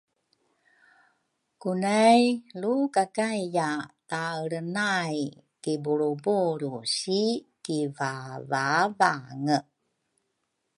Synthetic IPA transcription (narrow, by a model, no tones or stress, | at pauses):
kunajlukakajjataɾənaj | kibuɾubuɾusikivavavaŋə